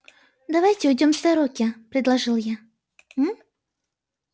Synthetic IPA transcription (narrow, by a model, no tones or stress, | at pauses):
d̪ɐvajtʲɪʊjdʲomzd̪ɐɾokʲɪpɾʲɪd̪lˠɐʐɨlˠja